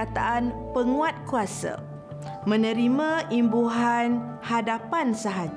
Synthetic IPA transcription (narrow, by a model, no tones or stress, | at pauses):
at̪aʔanpəŋũat̪̚kuasa̰ | mə̃nə̃ɾimãʔimbuɦan | hadapansəɦad͡ʒ